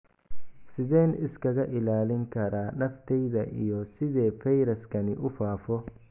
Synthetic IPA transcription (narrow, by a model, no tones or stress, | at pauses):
sɪd̪eːnɪskɐɡɐʔɪlaːlɪŋkɐɾaːɗɐft̪ɛjd̪ɐʔɪ̰jɔsɪd̪eːfɛjɾɐskɐnɪʔʊfaːfɔ